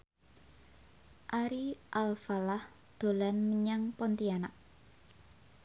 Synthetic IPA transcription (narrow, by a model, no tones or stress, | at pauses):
ʔaɾiʔalfalah | d̪̥o̤lanməɲaŋpɔnt̪ianaʔ̚